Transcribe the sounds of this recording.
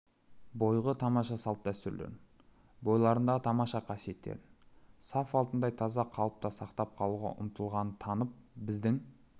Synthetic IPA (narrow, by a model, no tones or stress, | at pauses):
bo̞jʁət̪ʰɑmɑʃɑsɑlˠəp̚d̪æst̪ʏɾlḛn | bo̞jlˠɑɾənd̪ɑt̪ʰɑmɑʃɑqʰɑsije̞t̪ːḛɾsɑfɑlˠt̪ənd̪ɑjt̪ʰɑzɑqʰɑlˠəp̚t̪ɑsɑqt̪ɑp̚qʰɑlˠuʁɑ̰ʔʊ̰mət̪əlˠʁɑnənt̪ʰɑnəp̚bɪzd̪ɪŋ